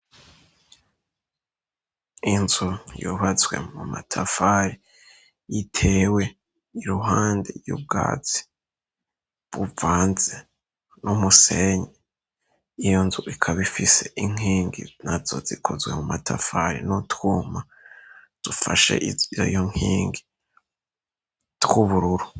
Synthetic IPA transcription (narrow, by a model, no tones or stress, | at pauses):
inzujuβazɡwe̞̰muma̰tʰafaɾi | jitʰe̞we̞ | iɾuɦaːndḛjṵb̚ɡa̰ːt͡si̥ | βuvaːnze | nʔumuseɲe | ijonzuʔikʰaβifise̞ʔiŋ̥iːŋɡḭnazo̞̰zikʰozɡwe̞mumatʰa̰faɾḭnotkuːma | d̥ufaʃe̞̰ʔijo̰joŋ̥hiːŋɡi | tkuβuɾuɾu